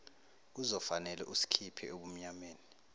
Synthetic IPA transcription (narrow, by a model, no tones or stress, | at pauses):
k̬uzɔfanɛlɛ̰ʔusi̥kʰipʰɛ̰oɓum̩ɲameːni